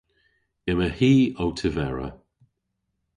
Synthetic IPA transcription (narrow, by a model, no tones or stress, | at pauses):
ɪməhiːowtʰəvɛɹə̰